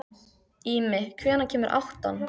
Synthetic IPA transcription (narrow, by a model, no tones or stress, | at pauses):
iːmɪkʰvɛːnacʰɛːmʏɾʔa̰wht̪a̰n